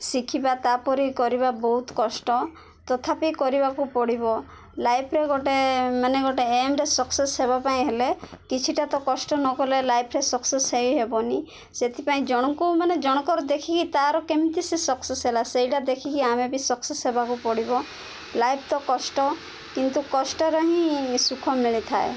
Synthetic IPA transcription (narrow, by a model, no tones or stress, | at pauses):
sikʰibat̪apɔɾikɔɾibabɔɦut̪kɔsʈɔ | t̪ɔt̪ʰapikɔɾibakupɔɽibɔ | lajpʰɾeɡoʈemaneɡɔʈeːmɾesɔksesɦeβapaĩɦelekit͡ʃʰiʈat̪ɔkɔsʈɔnɔkɔlelajpʰɾesɔksesɦeiɦebɔni | set̪ʰipaĩd͡ʒɔɽ̃ɔŋkumaned͡ʒɔɽ̃ɔkɔɾɔd̪ekʰikit̪aɾɔkemit̪isesɔksesɦelaseiʈad̪ekʰikiamebisɔksesɦebakupɔɽibɔ | lajpʰt̪ɔkɔsʈɔ | kint̪ukɔsʈɔɾɔɦĩsukʰɔmiɭit̪ʰae